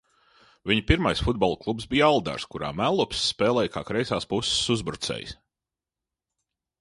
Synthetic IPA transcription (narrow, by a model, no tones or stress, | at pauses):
viɲpiɾmajsfud̪̚bɔlˠklˠupsbijalˠd̪a̰ɾskuɾa̰ːmælˠːupsːpɛːlˠɛjka̰ːkɾɛjsaːspussuzbɾut̪sɛ̰js